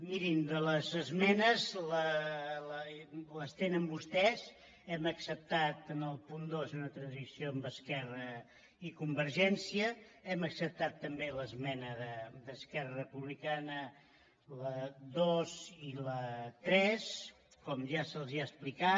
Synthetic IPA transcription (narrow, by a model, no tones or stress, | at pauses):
miɾind̪ələzəzmɛnəzlələləst̪enəmbust̪ɛz | ɛməksəp̚t̪at̪ənəlˠpund̪ozunət̪ɾənzisioəmbəskɛrə | ikumbəɾʒɛnsiəɛməksəp̚t̪at̪ːəmbeləzmɛnəðəd̪əskɛrərəpuβlikanə | ləðozilət̪ɾɛs | kɔmʒasəlˠziasplika